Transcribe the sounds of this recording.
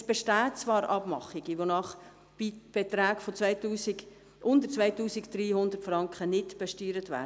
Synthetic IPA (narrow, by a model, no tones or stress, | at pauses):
sb̥ɛʃtæːtt͡svɑːɾʔɑb̥mɑ̰χːiɡiʋonɑχ | ib̥et̪ɾaːkfot͡svɛɪtuːsiɡ | ʔʊndəɾt͡svɛɪjtuːsɪkd̥̪riːhʊnd̪əɾtfrɑŋkχənɪdb̥ɛʃtyːɾətvæ̰ː